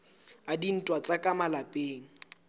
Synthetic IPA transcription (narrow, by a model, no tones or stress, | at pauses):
adin̩tʼwat͡sʼakʼamalapʼeːŋ̩